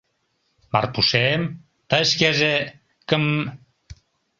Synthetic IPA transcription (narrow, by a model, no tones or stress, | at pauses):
ma̰rpusem | t̪aeskeze | kəm